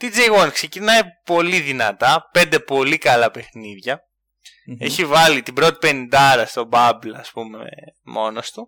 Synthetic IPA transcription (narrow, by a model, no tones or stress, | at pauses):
t̪id͡zeɣonkse̞cinɐjpo̞liðinɐt̪ɐpe̞nd̪e̞po̞likɐlɐpe̞xniðʝɐ | e̞çivɐlit̪ibɾo̞t̪i̥pe̞nind̪ɐɾɐst̪o̞bɐblɐːspume̞̰mo̞no̞st̪u